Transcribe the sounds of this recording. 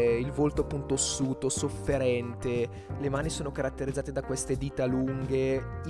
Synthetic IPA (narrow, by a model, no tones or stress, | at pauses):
ilvolt̪oapːunt̪osːuːt̪osofːeɾɛnt̪e | lemaːnisoːnokaɾat̪ːeɾid̪zːaːt̪ed̪akwest̪ed̪iːt̪aluŋɡe